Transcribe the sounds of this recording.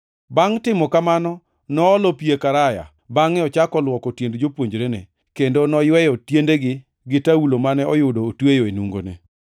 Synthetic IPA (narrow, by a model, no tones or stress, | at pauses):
baŋtɪmɔkamanɔ | nɔːlɔpiekaɾaja̰ | baŋɪɔt͡ʃakɔlwɔkɔtjendd͡ʒopwoɲd͡ʒɾenḛ | kendonɔjwɛjɔtjendeɡɪ | ɡɪtaulomanɛɔjʊdoːtwejoenuŋɡo̰nḛ